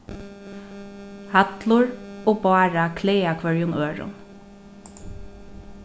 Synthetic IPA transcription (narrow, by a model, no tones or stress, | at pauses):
hat̪lʊɹoːbɑːɹakʰleːakʰʋœɹjʊnøːɹʊ̰n